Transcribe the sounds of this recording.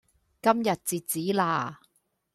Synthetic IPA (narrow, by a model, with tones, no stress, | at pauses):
kɐ˥mjɐ˨t̚t͡siː˨t̚t͡siː˨˥laː˧˩